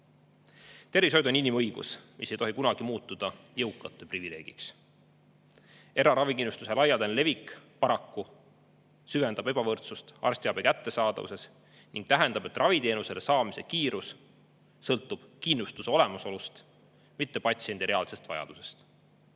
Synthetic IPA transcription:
t̪e̞rvis̬o̞jd̪uoninimɤjɡ̥ṵsmʔise̞jt̪o̞ɦikunɑɡ̥imuːt̪ːˑud̪̥ɑjɤwkːˑɑt̪ːˑeprivile̞ːɡ̥ḭks | e̞ɾɑɾɑvikinːust̪use̞lɑjɑld̪enle̞vikːpɑɾɑkːu | syve̞nd̪ɑbe̞b̥ɑvɤrt̪sust̪ɑ̰rst̪iɑbekæt̪ːe̞sɑːd̪̥ɑ̰vṵse̞s | nʔiŋɡ̥t̪æɦend̪ɑb̥e̞t̪ːˑrʔɑvit̪e̞ːnuse̞le̞sɑːmise̞̰kiːɾusː | ɤlt̪ːˑub̥kinːust̪useo̞le̞mɑso̞lust̪ | mit̪ːe̞pɑt̪sie̞nd̪iɾe̞ɑlse̞st̪vɑjɑ̰d̪̥use̞̥st̪

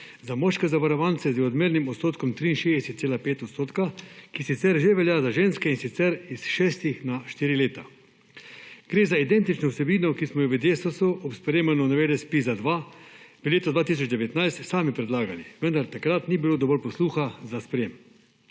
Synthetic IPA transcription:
zamɔʃkɛzaʋaɾɔʋantsɛzd̪ɛɔd̪meːɾnimɔt̪st̪oːt̪kɔmt̪ɾiːnʃeɛsɛt̪seːlapeːt̪ɔt̪st̪oːt̪kakisit̪sɛɾʒeʋɛljazaʒeːnskɛinsit̪sɛɾisʃɛːst̪ixnaʃt̪iːɾileːt̪a | ɡ̥ɾeːzaid̪ɛnt̪it͡ʃnɔwsɛbiːnɔkismɔjɛʋəd̪eːsusuɔpspɾjeːmanɔnaʋeːd̪ɛspizad̪ʋaʋəleːt̪ɔd̪ʋaːt̪is̬ɔd͡ʒd̪ɛʋɛt̪najst̪saːmipɾɛd̪laːɡaniʋənd̪aɾt̪akɾat̪nibiloːd̪ɔbɔɾpɔsluːxazaspɾjem

